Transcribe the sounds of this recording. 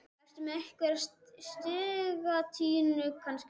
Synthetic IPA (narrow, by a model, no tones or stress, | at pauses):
ɛrst̪ʏmɛɛhkvɛɾst̪st̪ɪːɣat̪ʰiːnʏkʰansc